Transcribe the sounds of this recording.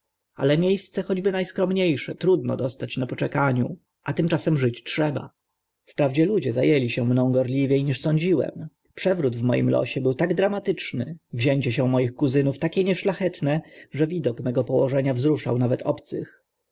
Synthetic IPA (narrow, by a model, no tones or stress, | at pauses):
a̰lɛmʲjejst̪sɛxɔd͡ʑbɘnajskɾɔmɲejʂɛt̪ɾud̪nɔ̰d̪ɔst̪at͡ɕnapɔt͡ʂɛkaɲu | ʔat̪ɘmt͡ʂasɛmʐɘt͡ɕtʂɛba̰ | fpɾavd͡ʑɛlud͡ʑɛzajɛlʲiɕɛmnɔ̃w̃ɡɔɾlʲivʲjejɲiʂsɔɲd͡ʑiwɛ̰m | pʂɛvɾud̪vmɔ̰jḭmlɔ̰ɕɛbɘwt̪aɡd̪ɾamat̪ɘt͡ʂnɘvʑɛɲt͡ɕɛɕɛ̃mɔjixkuzɘnuft̪akʲɛɲɛʂlaxɛt̪nɛʐɛvʲid̪ɔkmɛɡɔpɔwɔʐɛɲavzɾuʂa̰wnavɛt̪ʰɔpt̪sɘx